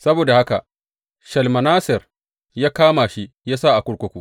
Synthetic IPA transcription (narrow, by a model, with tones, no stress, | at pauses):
sɐ˦boː˨da˨ha˦ka̰˨ʔ | ʃɐ˨lmɐ˨naː˦sɪ˨r | jaː˦kaː˦ma˨ʃi˦ | jaː˦sa˦˨ʔa˨kʷʊ˦ɽkʷʊ˦kʷuː˦